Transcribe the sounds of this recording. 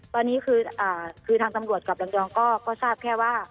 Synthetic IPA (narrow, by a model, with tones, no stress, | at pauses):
t̪ɔː˧nːiː˦˥kʰɯː˧ʔaː˨˩kʰɯː˧t̪ʰaː˧ŋt̪a˧mɾu˨˩ət̪̚ka˨˩p̚la˧ŋdɔː˧ŋkɔː˥˩kɔː˥˩saː˥˩p̚kʰɛː˥˩waː˥˩